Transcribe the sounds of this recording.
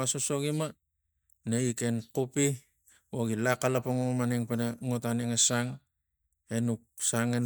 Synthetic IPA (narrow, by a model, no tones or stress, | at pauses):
asoso̞ɡima | naike̞nkupi | woɡilakalapoŋomaniŋpenaŋotaniŋasaŋ | enuksaŋen